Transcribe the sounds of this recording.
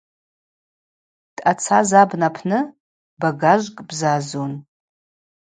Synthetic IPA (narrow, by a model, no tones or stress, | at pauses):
tʼat͡sʰazabnapʰnɨ | baɡaʒʷkʼbzazon